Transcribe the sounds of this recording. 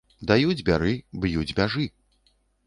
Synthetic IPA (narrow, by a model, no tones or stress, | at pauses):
d̪ajud͡zʲbʲaɾɨbjud͡zʲbʲaʐɨ